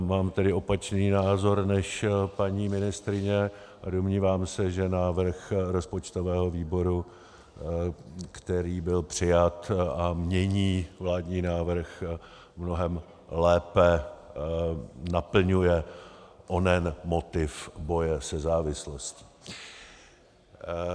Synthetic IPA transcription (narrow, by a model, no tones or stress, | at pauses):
maːmt̪ɛdɪo̞pat͡ʃniːnaːzo̞ɾnɛʃpaɲiːmɪnɪst̪ɾɪɲɛ | ʔadomɲiːvaːmsɛʒɛnaːvr̩xɾo̞spot͡ʃt̪o̞vɛːɦo̞viːbo̞ɾu | kt̪ɛɾiːbɪlpr̥ɪjat̪amɲɛɲiːvlaːdɲiːnaːvr̩x | mno̞ɦɛm | lɛːpɛ | napl̩ɲujɛʔonɛnmo̞t̪ɪfbo̞jɛsɛzaːvɪsloscɪ̥